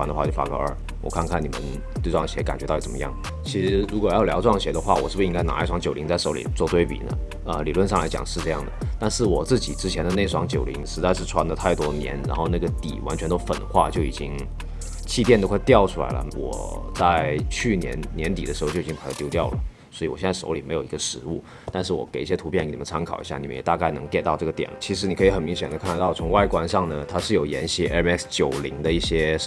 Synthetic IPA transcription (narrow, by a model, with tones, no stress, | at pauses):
a˥nə˧xwa˥˧t͡ɕjo˥˩fa˥kɤ̰˧˥ə̰˞˥˩ | wɔ̰˨˩kʰa˥˧nkʰa˥˩ni˨˩mə̰˦n | t̪wɪʈ͡ʂwɑ˥˩ŋɕjɛ˧˥ka˨˩nt͡ɕɥɛ˧˥tɑ˥˩i˧˩t͡smə̰˧˦jɑ̰˥˩ŋ | t͡ɕʰi˧˥ʂɻ̩˧˥ɻu˧˥kwɔ˨˩jɑ˥˩ʊljɑ˧˥ʊʈ͡ʂwɑ˥˩ŋɕjɛ˧˥d̪ə˧xwa˥˩wɔ˨˩ʂɻ̩˥˩bu˩i˥ŋɡa˥ɪna̰˧˥˩ʂwɑ˧˥ŋt͡ɕjo˨˩ʊli˧˥ŋt͡sa˥˩ɪʂo˧˥ʊlḭ˨˩t͡swɔ˥˧t̪we˥˩ɪpḭ˨˩nə̰˦ | ə̰˧li˨˩lwə˥˧nʂɑ˥˩la˧˥ɪt͡ɕjɑ̰˨˩ŋʂɻ̩˥˧ʈ͡ʂɤ˥˧jɑ̰˥˩ŋd̪ə˩t̪a˥˧nʂɻ̩˥˩wɔ˨˩t͡sɹ̩˥˩t͡ɕi˨˩ʈ͡ʂɻ̩˥t͡ɕʰjɛ˧˥nd̪ə˧ne˥˩ɪʂwɑ˧˥ŋt͡ɕjo˨˩ʊlḭ˧˥ŋʂɻ̩˧˥t͡sa˥˧ɪʂɻ̩˥˩ʈ͡ʂʰwa˧˥nlə˧t̪ʰa˥˩ɪt̪wɔ˥njɛ̰˧˥nɻa˧˥nxo˥˧ʊna˥˩ɡə˩t̪ḭ˨˩wa˧˥nt͡ɕʰɥɛ˧˥nt̪o˥ʊfə˨˩nə˦xwa̰˥˧t͡ɕjo˥˩ʊḭ˨˩t͡ɕi˥ŋ | t͡ɕʰi˥˧t̪jɛ˥˧nt̪o˥˧xwɪt̪jɑ˥˩ʊʈ͡ʂʰu˥la̰˧˥ɪlə̰˧wɔ̰˨˩t͡sa˥˧ɪt͡ɕʰy˥˩njɛ̰˧˥nnjɛ˧˥nt̪i˨˩ə˦ʂ̩˧˥xt͡ɕjo˥˩i˩i˥˩d̪t̪jʊt̪jɑ˥˩ʊlə̰˩ | swɔ˧˥i˧˩wɔ˨˩jɛ˥nt͡sa˥˩ʂo̰˧˥ʊli˨˩me˧˥ɪjo˨˩ʊi˧˥ɡə˧ʂɻ̩˧˥u˥˩ | t̪a˥˧nʂ̬ɻ̩˥˩wɔ̰˧˩ke˨˩ɪi˥˩ɕjɛ˥t̪ʰu˧˥pʰjn˥˩ni˨˩mə˦n˥t͡sʰa˥nkʰɑ˨˩ʊḭ˧˥ɕja˥˩ni˨˩mə˦jɛ˨˩t̪a˥˧ka˥˩ɪnɤ˧˥ŋke˥˩ɪt̪ɑ˥˧ʊʈ͡ʂɤ˥˩ɡə˩t̪jɛ̰˨˩˦nt͡ɕʰi˧˥ʂɻ̩˧˥ni˨kʰɤ˧˥i˥xə˨˩nmi˧˥ŋɕ̬jɛ˨˩nd̪ə˦kʰa˥˩˧n˧t̪ɑ˥˩ʊt͡sʰʊ˧˥ŋwa˥˩ɪkwa˥nʂɑ˥˩ŋnə˩t̪ʰa˥ʂɻ̩˥˩jo˨˩ʊjɛ̰˧˥nɕi˥ɛ˥nɛ˥kst͡ɕjo˨˩ʊli˧˥ŋd̪ə˧i˥˩ɕjɛ˥